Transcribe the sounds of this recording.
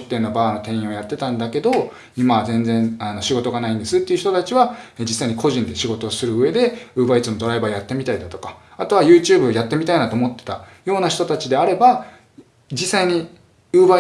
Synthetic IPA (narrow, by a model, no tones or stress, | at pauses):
t̪ːeɯ̟nːabaːno̞t̪ẽɰ̃ĩɰ̃o̞jat̪ːe̞t̪ãnd̪ake̞d̪o̞ | imazẽ̞nd͡zẽ̞ɴano̞ɕiɡo̞t̪o̞ɡanaĩnd̪esɨt̪ːe̞iɯ̟çi̥t̪o̞t̪at͡ɕiβaed͡ʑisːaiɲ̟ikʰo̞ʑĩnd̪e̞ɕiɡo̞t̪o̞sɨɾɯ̟ɯe̞d̪e̞ɯ̟ːbait͡sɨno̞d̪o̞ɾaibaːjat̪ːe̞mʲit̪aid̪at̪o̞kaat̪o̞β̞ajɯ̟ːt͡ɕɨːbɯ̟jat̪ːe̞mʲit̪ainat̪oːmo̞t̪ːe̞̥t̪ajo̞ːnaçi̥t̪o̞t̪at͡ɕid̪e̞aɾe̞ba | d͡ʑisːaiɲ̟i | ɯ̟ːba